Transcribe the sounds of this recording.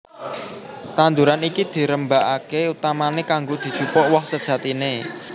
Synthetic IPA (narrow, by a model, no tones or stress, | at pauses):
t̪and̪uɾanikid̪̥i̤ɾəmbaʔakeut̪amanekaŋɡod̪̥i̤d̥ʒ̥upɔʔwɔhsəd̥ʒ̥ä̤t̪ine